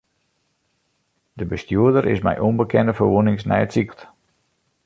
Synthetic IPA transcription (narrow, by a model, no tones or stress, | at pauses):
dəbəstjuədəɾɪ̰smɛ̰jʔonbəkɛndəfərʋunɪŋsnɛ̰jətsikət